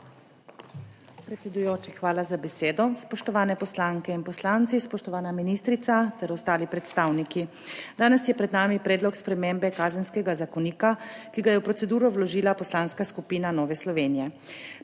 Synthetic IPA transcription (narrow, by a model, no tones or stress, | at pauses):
pɾɛt̪sɛd̪ujoːt͡ʃixʋaːlazabɛseːd̪ɔspɔʃt̪ɔʋaːnɛpɔslaːŋkɛinpɔslaːnt̪sispɔʃt̪ɔʋaːnaminiːst̪ɾit̪sat̪ɛɾɔst̪aːlipɾɛt̪st̪aːwniki | d̪aːnɛsjɛpɾɛd̪naːmipɾɛːd̪lɔkspɾɛmeːmbɛkaːzənskɛɡazakɔniːkakiɡajɛwpɾɔt̪ɛd̪uːɾɔwlɔʒiːlapɔslaːnskaskupiːnanɔːʋɛslɔʋeːnijɛ